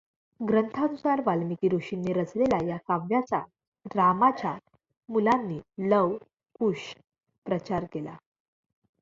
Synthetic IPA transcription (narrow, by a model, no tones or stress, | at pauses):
ɡɾənt̪ʰanusaɾʋalmikiːɾuɕinːiːɾət͡slelajakaʋjat͡sa | ɾamat͡ɕa | mulanːiːləʋ | kuɕ | pɾət͡ɕaɾkela̰